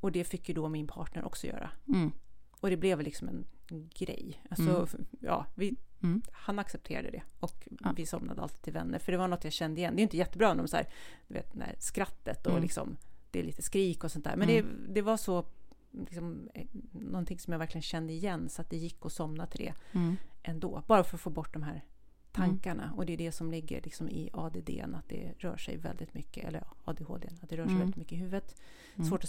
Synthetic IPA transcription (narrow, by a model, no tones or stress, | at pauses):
ɔd̪ɛfɪkːjəd̪ɔmɪnpʰɑːʈɳəɾʔɔ̰ksɔjœ̰ːɾa̰ | ɔd̪ɛblɛvlɪksɔmɛnɡɾɛ̰jːʔalsɔjɑ̰ːvɪ | hanaksɛp̚t̪ʰeːɾa̰d̪əd̪ɛ̰ɔkvɪsɔmna̰d̪əa̰lt̪ːt̪ʰːɪlvɛ̰nːə̰ɾfœɖɛvaɳɔt̪ːjaɕɛnd̪əɪjɛnd̪ɛjʏnt̪əjɛt̪ːəbɾɑːɛnd̪ɔmsæ̰ːɾd̪̥ɵvḛːt̪̚d̪ɛæ̰ɾskɾat̪ːət̪ɔlɪksɔ̰md̪̥ɛːliːt̪əskɾiːkɔsɔnt̪æ̰ːmɛnd̪ɛd̪ɛvaʂɔ | lɪksɔm | nɔnt̪ʰɪŋsɔmjavæɾklɪɡənɕɛnd̪əɪjɛnːsɔat̪̚d̪ɛjɪkːɔsɔmnat̪ʰɪd̪ḛːʔɛnd̪oːbɑːɾafœɾɔfoːbɔʈ̚ːd̪ɔmɦæːɾ | t̪ʰaŋkaɳa̰ɔd̪ɛd̪ɛsɔmlɪɡːə̰ɾlɪksɔmɪ̰ɑd̪ed̪ḛːɛ̰nat̪̚d̪ɛ̰ɾœːʂɛ̰jvɛ̰ld̪ɪt̪mʏkːə̰ʔɛ̰lːəɾɑɑ̰ːd̪ehoːd̪ḛːnat̪̚d̪ɛɾœːʂɛjvɛlɪt̪mʏkːəɪhʉ̟ːvət̪ | svoːʈɔ